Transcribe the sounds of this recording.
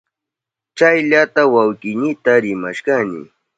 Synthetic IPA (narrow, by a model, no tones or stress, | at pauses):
t͡ʃajʎat̪awawkɪɲɪt̪aɾɪmaʃkanɪ̰